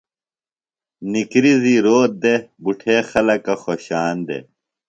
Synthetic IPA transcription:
nikɾiziɾoːt̪̚d̪ebuʈʰeːxɐlɐkɐxoɕaːnd̪ḛ

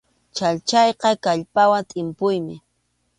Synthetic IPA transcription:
t͡ʃaʎt͡ʃɑjqɑkaʎpawant̪ʼɪmpʊjmɪ

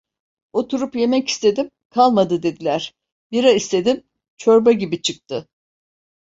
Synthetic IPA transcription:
o̞t̪ʰuɾupje̞mɛci̥st̪ʰe̞d̪im | kʰalˠmad̪ɯd̪e̞d̪ilʲæɾ̥ | biɾaist̪ʰe̞d̪im | t͡ʃʰo̞ɾbaɟibit͡ʃʰɯk̚t̪ʰɯ

